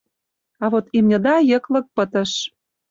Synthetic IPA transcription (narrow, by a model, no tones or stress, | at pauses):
ɑβot̪imnʲə̆d̪ɑjə̆klɤ̆k̚pə̆t̪ə̆ʃ